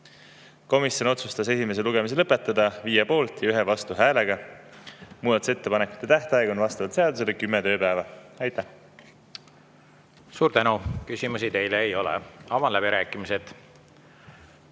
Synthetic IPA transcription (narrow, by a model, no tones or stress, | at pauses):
ko̞misjo̞no̞t̪sust̪ɑse̞sime̞s̬e̞luɡ̥e̞mis̬elɤpːˑet̪ːˑɑd̪ɑviːjepo̞ːlt̪jɑyɦevɑst̪uɦæːle̞ɡ̥ɑ | muːd̪ɑt̪u̥se̞t̪ːe̞pɑne̞kːˑu̥t̪ˑːet̪æht̪ɑɑeɡonvɑst̪ɑvɑlt̪seɑd̪use̞lekymːet̪ø̞ːpæːvɑɑjt̪ːˑæh | suːɾt̪ænukysʲimusit̪e̞jleːjo̞lḛɑmɑlæbiɾæːkːˑimised̪̥